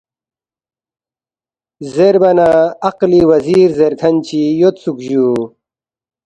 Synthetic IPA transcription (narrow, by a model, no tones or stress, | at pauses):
zeɾbɐnaɐqliwɐziːɾzeɾk̪ʰɐnt͡ɕijot̪sukʑuː